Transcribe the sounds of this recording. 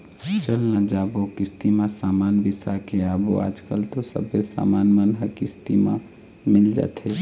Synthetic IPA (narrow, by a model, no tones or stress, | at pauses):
t͡ʃəlnãd͡ʒaːbokɪst̪imãsaːmaːnbɪsakeaːbo̰a̰ːd͡ʒkəlt̪osə̰besa̰ːmaːnmənɦəkɪst̪imã̰ | mɪld͡ʒa̰ːt̪ʰe